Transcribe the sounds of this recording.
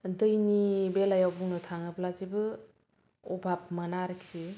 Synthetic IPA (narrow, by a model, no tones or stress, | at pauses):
dɯjnibelajawbuŋnɯtʰaŋɯplazibɯ | ɔbʱap̚mənaɾiksi